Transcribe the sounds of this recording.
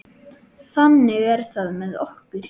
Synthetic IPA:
θanːɪɣɛɾ̥θaðmɛðɔ̰hkʏɾ̥

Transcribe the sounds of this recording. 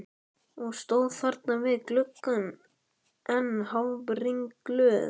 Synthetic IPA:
ɔɣst̪oːwðθaɾt̪̚navɪðklʏkːʏn | ɛnhawpɾiŋklœː

